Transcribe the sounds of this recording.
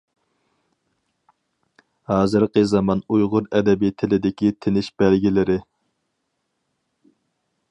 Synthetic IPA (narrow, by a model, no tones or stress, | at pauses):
hɑːzɨɾqəzɑmɑnujʁʊɾɛd̪ɛbit̪ʰɪlɪd̪ɪkʲit̪ʰɪnɪʃb̥ɛlɡʲilɪɾɪ